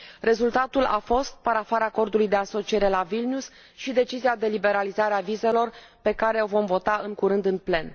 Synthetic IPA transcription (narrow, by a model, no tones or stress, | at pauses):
re̞zult̪at̪ula̰fo̞st̪̚paɾafaɾaːko̞rd̪ulujd̪e̞aso̞t͡ʃie̞ɾe̞lavilnʲjus | ʃid̪e̞t͡ʃiziad̪e̞libe̞ɾalizaɾeavize̞lo̞rpe̞kaɾe̞o̞vo̞mvo̞t̪aɨŋkuɾɨnd̪ɨnple̞n